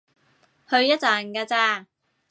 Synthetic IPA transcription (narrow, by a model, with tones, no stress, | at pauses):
hɵ˧ɥjɐ˥t̚t͡saː˨˩nkaː˧t͡saː˧˩